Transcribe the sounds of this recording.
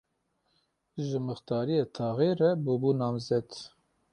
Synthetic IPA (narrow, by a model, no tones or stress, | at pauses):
ʒəmɨxt̪ɑːɾijet̪ʰɑːɣeːɾɛbubunɑːmzɛd̪